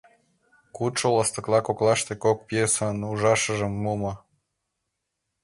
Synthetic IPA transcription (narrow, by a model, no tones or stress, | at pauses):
kut̪ʃoləst̪ə̆klˠɑkoklɑʃt̪ekok̚pjesənuʒɑʃə̆ʒə̆mːumɤ